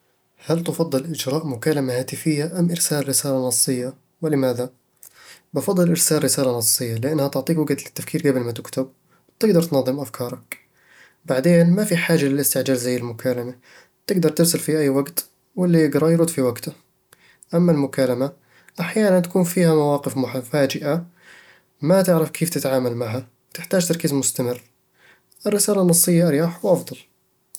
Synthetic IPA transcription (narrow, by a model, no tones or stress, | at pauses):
halt̪ɑfɑd̪ˤːɨlʔɪd͡ʒɾˤɑːʔmʊkaːlamahaːt̪ɪfɪjːaʔamʔɪɾsaːlɾɪsaːlanɑsˤːɨjːa | wɪlɪmaːða | bɪfɑd̪ˤːɨlʔɪɾsaːlːɪsaːlanɑsˤːɨjːalɪʔanːhat̪ʊʕt̪ˤiːkwɪɡt̪lɪt̪ːafkʰiːɾɡabɪlmat̪ɪkt̪ab̚ | wt̪ɪɡd̪ɑɾˤt̪nɑðˤːɨmʔafkʰɑːɾˤɑk | baʕd̪eːnmafiħaːʒalɪlɪst̪ɪʕd͡ʒaːlzajːɪlmʊkʰaːlama | t̪ɪɡd̪ɑɾˤt̪ɪɾsalfiʔajːwaɡt̪ | wɪlːijɪɡɾˤɑjɾuːd̪fiwaɡt̪a | ʔamːalmʊkaːlama | ʔaħjaːnant̪ḁkuːnfiːhamawɑːqɪfmʊafaːd͡ʒɪʔa | mat̪ɪʕɾɪfkʰeːft̪ɪt̪ʕaːmalmaʕɦa | wt̪ɪħt̪aːd͡ʒt̪ɑɾˤkiːzmʊst̪amɪrː | ʔɪrːɪsaːlanːɑsˤːɨjːaʔɪɾjaːħwʔɑfd̪ˤɑl